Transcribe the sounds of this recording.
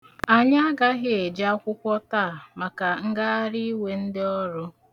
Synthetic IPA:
a˨ɲa˦a˦ɡa˦ɣɪ˦e˨d͡ʒa˦kʷʊ˦kʷɔ˦taː˦˨ma˨ka˨ŋ̩˦ɡa˦a˦ɾi˦i˦we˨n̩˦dɪ˦ɔ˦ɾʊ˦

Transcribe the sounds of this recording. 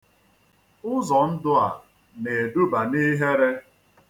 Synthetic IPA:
ʊ˦zɔ˨n̩˦dʊ˦a˨ | ne˨e˨du˦ba˨ni˦ɦe˦ɾe˦

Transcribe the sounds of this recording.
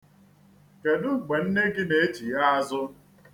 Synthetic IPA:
ke˨dʊ˦ŋ͡m̩˨ɡ͡be˨n̩˦ne˦ɡɪ˦ne˨e˦ti˨ja˦a˦zʊ˦

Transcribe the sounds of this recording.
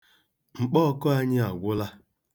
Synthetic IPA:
ŋ͡m̩˨k͡pɔ˦kɔ˦a˦ɲɪ˦a˨ɡʷʊ˦la˦

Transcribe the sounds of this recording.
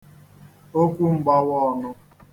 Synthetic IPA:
o˦kʷu˦m̩˦ɡ͡ba˦wɔ˦˨nʊ˦

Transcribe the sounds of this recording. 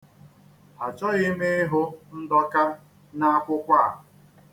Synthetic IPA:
a˨t͡ʃɔ˦ɣɪ˦me˦ɦʊ˦n̩˦dɔ˦ka˦ | na˦a˦kʷʊ˦kʷa˦a˨

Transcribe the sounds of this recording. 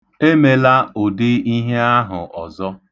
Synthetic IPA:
e˦me˨la˦o˨dɪ˦i˦ɦe˦a˦ɦʊ˨ʔɔ˨zɔ˦

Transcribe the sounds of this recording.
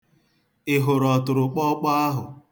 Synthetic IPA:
ɪ˨ɦʊ˨ɾɔ˨tʊ˨ɾʊ˨k͡pɔ˦k͡pa˦a˦ɦʊ˨

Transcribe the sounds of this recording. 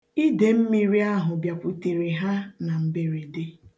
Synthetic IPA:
i˦de˨m̩˦mi˦ɾi˦a˦ɦʊ˨bja˨kʷu˨te˨ɾe˨ɦa˦na˨m̩˨be˦ɾi˨de˦

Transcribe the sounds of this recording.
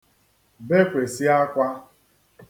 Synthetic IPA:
be˦kʷe˨si˦a˦kʷa˦

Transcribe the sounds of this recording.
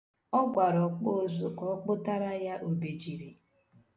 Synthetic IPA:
ɔ˦ɡʷa˨ɾɔ˨k͡po˦˨zu˨ʔɔ˦k͡pʊ˦ta˦ɾa˦ja˦ʔo˨be˨d͡ʒi˨ɾi˨

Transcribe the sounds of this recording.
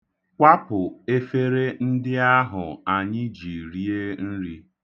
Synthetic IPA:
kʷa˦pʊ˨e˦fe˦ɾe˦n̩˦dɪ˦a˦ɦʊ˨a˨ɲɪ˦d͡ʒi˨ɾi˦e˦n̩˦ɾi˦

